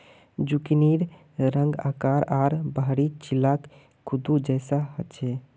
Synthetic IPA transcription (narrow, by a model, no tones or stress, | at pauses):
d͡ʒukiniɾ | ɾə̃ŋɡaːkaːɾaɾbaɦɾit͡ʃilːak | kʰːud̪ud͡ʒɛsaɦət̪t͡ʃʰɛ